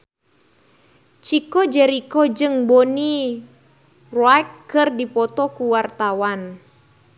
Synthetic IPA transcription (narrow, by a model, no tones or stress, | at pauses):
t͡ʃikɔd͡ʒɛɾikɔd͡ʒɨŋbɔni | rɔajkːɨrdipɔt̪ɔkuwart̪awan